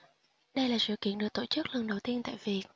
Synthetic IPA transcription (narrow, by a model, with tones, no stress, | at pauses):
ɗə˧jlaː˨˩sɨ̰˧˨kḭ˧˨ənɗɨ˨˩k̚t̪o̰˧˩t͡ɕɨ˦˥k̚lə˨˩nɗə˨˩wt̪i˧ənt̪a̰ː˧˨jvi˨˩ək̚